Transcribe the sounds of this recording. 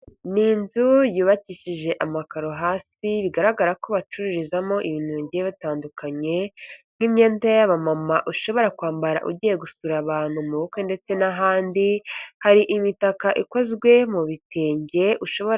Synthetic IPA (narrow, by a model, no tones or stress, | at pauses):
ninzujuːβaciʃiʒe̞ʔamakaɾoɦaːsiβiɡaɾaɡaɾako̞βat͡ʃuɾuɾizamo̞ʔiβinuːɲɟieβataːndukʰaɲe̞n̥himɲe̞ːntajaβamamaʔuʃo̞βo̞ɾakwaːmbaɾa̰ʔṵɟije̞ɡusuɾaβaːn̥humuβokende̞t͡se̞naɦaːndihaɾiʔimitakaʔikozɡwe̞muβiteːɲɟe̞ʔuʃo̞βo